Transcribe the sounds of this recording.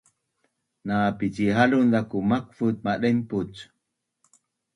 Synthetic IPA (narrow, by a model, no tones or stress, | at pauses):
napid͡ʒiɦalund̪akumak̚fut̪̚maɗəmput͡s